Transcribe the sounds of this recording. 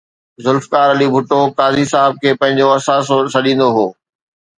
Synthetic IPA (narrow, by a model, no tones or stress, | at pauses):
zʊlfkaːɾɐlibʱʊʈokaːzisaːɦɪb̚kʰeːpɐ̃ɦɪ̃ɲ̆d͡ʑoɐsaːssɐɗĩːnd̪oɦoː